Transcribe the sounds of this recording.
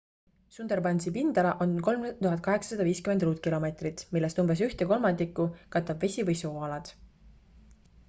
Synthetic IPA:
sund̪̥erbɑnʲsipind̪̥ɑlɑʔo̞nko̞lmt̪uɦɑt̪̚ˑkɑɦe̞ksɑ̥sɑd̪̥ɑviːskymend̪ruːt̪̚ˑkilo̞me̞t̪rit̪ˑmilːe̞st̪umbe̞s̬yht̪eko̞lmɑnd̪ikːˑukɑt̪ːˑɑb̥ve̞sʲivɤjso̞ːɑlɑd̪̥

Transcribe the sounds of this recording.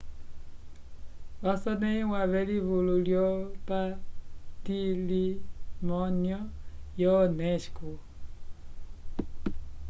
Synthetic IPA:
βasɔneiwaβeliβululjɔpatilimɔnjɔjɔneʃku

